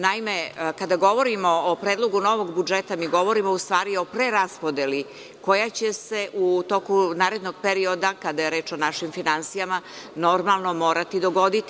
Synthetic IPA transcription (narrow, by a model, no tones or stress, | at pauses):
naime̞kad̪aɡo̞ʋo̞ɾimo̞ːpɾeːd̪lˠo̞ɡuno̞ʋo̞ɡbud͡ʒet̪amiɡo̞ʋo̞ɾimoust̪ʋaːɾio̞pɾeɾaspod̪eli | ko̞jat͡ɕe̞se̞ʔut̪o̞kunaːɾe̞d̪noɡ̚peɾio̞d̪akad̪ajeɾe̞ːt͡ʃo̞naʃimfinansijamano̞ɾmalˠno̞mo̞ːɾat̪id̪o̞ɡo̞d̪it̪i